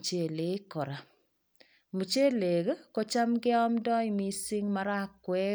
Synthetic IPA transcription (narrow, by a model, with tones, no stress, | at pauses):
t͡ʃe˨le˨˦kɔ˨ɾa˨ | mu˨t͡ʃe˦le˨ke˦ko˦t͡ʃa˦mke˦ɔ˦mdɔ˦i˦mi˦si˦ŋmaɾa˦kːwɛ˦